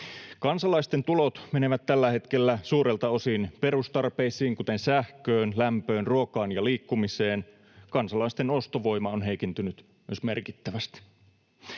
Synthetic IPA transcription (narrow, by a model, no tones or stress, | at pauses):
kɑnsɑlɑist̪e̞nt̪ulo̞t̪me̞ne̞ʋæt̪t̪ːælːæhe̞t̪ke̞lːæsuːɾe̞lt̪ɑo̞sinpe̞ɾust̪ɑrpeːsiːŋkut̪e̞nsæhkøːnlæmpø̞ːnruokɑːnjɑliːkːumise̞ːn | kɑnsɑlɑist̪e̞no̞st̪o̞ʋo̞jmɑonɦe̞jkint̪ynyt̪ | myøsme̞̰rkit̪ːæʋæst̪i̥